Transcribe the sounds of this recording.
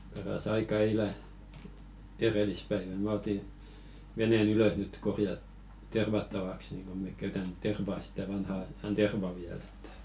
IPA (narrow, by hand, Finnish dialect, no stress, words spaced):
pɑrɑs ɑikɑ eilæ erelispæiʋæ mæ oti ʋenen yløs nyt korjɑ terʋɑtːɑʋɑks niŋ ko mek kæytæn terʋɑ sitæ ʋɑnhɑ ɑjɑn terʋɑ ʋiæl e̥tːæ̥